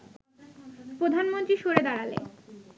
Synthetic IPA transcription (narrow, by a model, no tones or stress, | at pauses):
pɾod̪ʱanmont̪ɾiʃoɾed̪aɽalḛ